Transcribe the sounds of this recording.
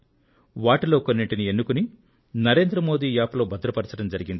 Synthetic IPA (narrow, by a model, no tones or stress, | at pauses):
ʋaːʈilo̞ːkonːiʈinie̞nːukuni | nɐɾe̞ːnd̪ɾɐmo̞ːd̪iːjaːpɐlo̞ːbɐd̪ɾɐpɐɾt͡ʃɐɽɐmd͡ʒɐɾiɡind̪i